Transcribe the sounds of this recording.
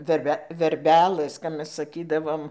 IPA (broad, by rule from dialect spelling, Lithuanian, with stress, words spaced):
ʋʲɛrʲˈbʲɛ ʋʲɛrʲˈbʲæːlˠɘs kɐp ˈmʲɛs sɐˈkʲiːdɐʋoːm